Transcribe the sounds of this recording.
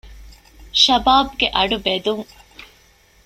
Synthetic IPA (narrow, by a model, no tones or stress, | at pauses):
ʃɐbaːb̚ɡeʔɐɖubed̪uŋ